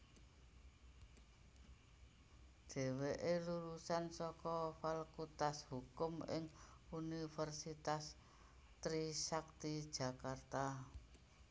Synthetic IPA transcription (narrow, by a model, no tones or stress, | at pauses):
d̪̥e̤weʔeluɾusansɔkɔfalkut̪ashukʊmɪ̰ŋunifɛrsit̪as | t̪ɾisak̚t̪id̥ʒ̥ä̤kart̪a